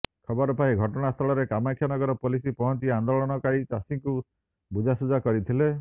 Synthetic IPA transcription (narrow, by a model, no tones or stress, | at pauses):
kʰɔbɔɾɔpaiɡʱɔʈɔɽ̃ast̪ʰɔɭɔɾekamakʰːjanɔɡɔɾɔpolisipɔɦɔnt͡ʃiand̪ɔɭɔnɔkaɾit͡ʃasiŋku | bud͡ʒʱasud͡ʒakɔɾit̪ʰile